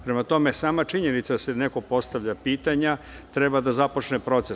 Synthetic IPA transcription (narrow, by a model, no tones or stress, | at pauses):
pɾemat̪o̞mesaːmat͡ʃiɲenit̪sad̪aseneko̞po̞st̪aʋʎapiːt̪aɲa | t̪ɾebad̪azapo̞t͡ʃnepɾo̞t̪se